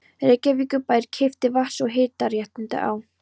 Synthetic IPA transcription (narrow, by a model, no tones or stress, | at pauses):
recːavikʏpaːjɾ̥cʰejft̪ɪvasɔɣɦeːjt̪aɾjaht̪ɪnt̪ɪ̰ʔa̰w